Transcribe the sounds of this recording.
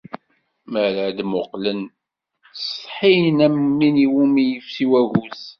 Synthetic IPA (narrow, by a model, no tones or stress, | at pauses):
məɾæd̪mʊqlən | sˤħinæmːiniwumijəfsiwæɣuz